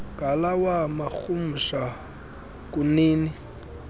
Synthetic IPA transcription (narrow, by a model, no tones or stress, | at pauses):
ɡ̥ʱalawamaxum̩ʃa | kʼuniːni